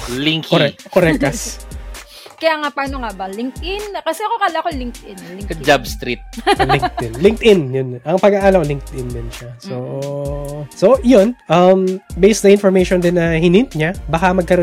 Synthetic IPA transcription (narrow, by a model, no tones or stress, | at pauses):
liŋkkoɾɛkoɾɛkt̪ɐs | kɐjaːŋapaːnoŋabɐlɪŋ̚t̪ʔɪnkɐsɛɐkokalɐkolɪŋkt̪ɪnlɪŋɐd͡ʒabst̪ɾit̪̚lɪŋɪnlɪŋk̚t̪ʔɪnjʊnʔɐŋpɐɡaːʔaːlɐolɪŋk̚t̪ʔɪnd̪ɪnʃaso | soʔjonʔɐmbejsd̪ɐʔɪnfoɹmejʃond̪ɪnːɐhɪnɪnt̪̚ɲabɐkɐmɐɡ̚kɐɾo